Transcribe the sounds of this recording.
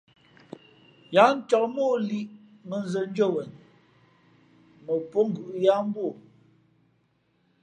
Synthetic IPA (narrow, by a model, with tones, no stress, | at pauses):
ja˨˦n̩˦tɔ˨k̚moː˦˨li˦˨ʔ | mə˨nzə˨n̩˦d͡ʒo˦˨wɛ˨n | mə˨po˦ŋ̩˨ɡʉ˨ʔja˦m˦bwo˦˨